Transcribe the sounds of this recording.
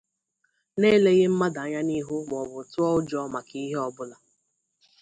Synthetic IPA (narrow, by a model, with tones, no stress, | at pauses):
ne˦le˦ɣɪ˦m̩˦ma˦da˨a˨˦ɲa˦ni˦ɦʊ˦mɔ˨wʊ˨tʊ˦ɔ˦ʊ˦d͡ʒɔ˦ma˨ki˦ɦe˦ɔ˦bʊ˦la˨